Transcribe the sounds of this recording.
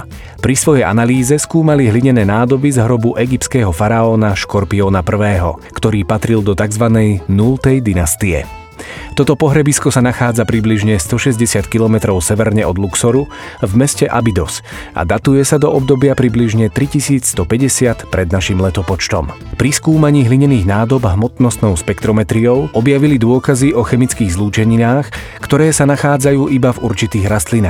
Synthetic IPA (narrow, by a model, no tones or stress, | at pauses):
pɾisʋɔjɛja̰naliːzɛskuːmaliɦliɲɛnɛːnaːd̪ɔbizɦɾɔbuʔɛɡip̚tskɛːɦɔfaɾaɔːnaʃkɔɾpiɔːnapr̩ʋɛːɦɔkt̪ɔɾiːpat̪ɾild̪ɔt̪aɡzʋanɛjnulˠt̪ɛjd̪inast̪iɛ̰ | t̪ɔt̪ɔpɔɦɾɛbiskɔsanaxaːd͡zapɾibliʒɲɛst̪ɔʃɛzɟɛsɪat̪kilɔmɛt̪ɾɔʊsɛʋɛɾɲɛɔd̪luksɔɾu | vmɛscɛʔabid̪ɔs | a̰d̪at̪ujɛsad̪ɔʔɔb̚d̪ɔbɪapɾibliʒɲɛt̪ɾicisiːt͡sst̪ɔpɛɟɛsɪat̪pɾɛd̪naʃimlɛt̪ɔpɔt͡ʃt̪ɔ̰m | pɾiskuːmaɲiːɦliɲɛniːɣnaːd̪ɔbɦmɔt̪nɔst̪nɔʊʃpɛkt̪ɾɔmɛt̪ɾiɔʊʔɔbjaʋilid̪ʊɔkaziʔɔxɛmit͡skiːɣzluːt͡ʃɛɲinaːx | kt̪ɔɾɛːsanaxaːd͡zajuːʔibavuɾt͡ʃit̪iːɣɾast̪linaːx